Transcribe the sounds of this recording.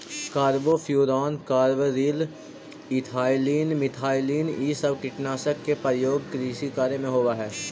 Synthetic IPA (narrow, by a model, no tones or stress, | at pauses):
kaːɾʋopʰjuːɾaːnkaːɾʋəɾiːl | ɪt̪ʰaːɪliːnmɪt̪ʰaːɪliːniːsɐbkɪʈnaːsəkːepɾəjoːɡkɾiːsikaːɾemẽɦoːʋaɦɛː